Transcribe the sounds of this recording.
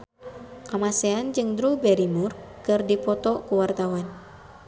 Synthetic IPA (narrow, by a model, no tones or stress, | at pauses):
kamasɛand͡ʒɨŋdɾubɛɾimurkɨrdipɔt̪ɔkuwart̪awan